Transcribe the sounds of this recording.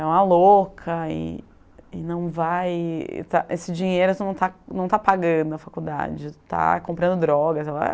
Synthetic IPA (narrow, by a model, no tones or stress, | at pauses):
ɛ̃ɐlokʰɐɪ̰ | ɪnɐ̃w̃vaj̰t̪aʔesɪd͡ʒiɲejɾʊnnɐ̃w̃t̪anɐ̃w̃t̪apaɡɐ̃d̪ʊɐfakud̪a̰d͡ʒɪt̪a̰kõpɾɐ̃nd̪ʊd̪ɾɔɡɐzɛlɐ̰